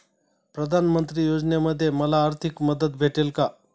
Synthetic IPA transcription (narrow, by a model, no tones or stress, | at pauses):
pɾəd̪ʱanmənt̪ɾiːjod͡znjeməd̪ʱːjeməlaːɾt̪ʰikməd̪ət̪̚bʱeʈelka